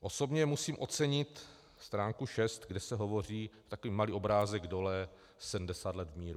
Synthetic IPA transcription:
ʔo̞so̞bɲɛmusiːmʔo̞t͡sɛɲɪt̪ | st̪ɾaːŋkuʃɛst̪ɡdɛsɛɦo̞vo̞r̝iːt̪akoviːmaliːʔobɾaːzɛɡdo̞lɛ | sɛdm̩dɛsaːd̪lɛd̪vmiːɾu

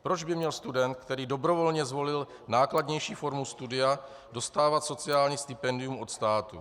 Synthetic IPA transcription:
pɾo̞d͡ʒbɪmɲɛlst̪udɛnt̪̚kt̪ɛɾiːdo̞bɾo̞vo̞lɲɛzvo̞lɪl | naːkladɲɛjʃiːfo̞ɾmust̪udɪa | do̞st̪aːvat̪so̞t͡sɪaːlɲiːst̪ɪpɛndɪjumʔo̞t̪st̪aːt̪ṵ

